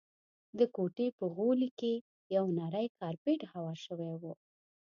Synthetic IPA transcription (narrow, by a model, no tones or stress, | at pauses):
d̪əkoʈepəɣolike | jawnaɾəjkɑɾpeʈhawɑʃəwewu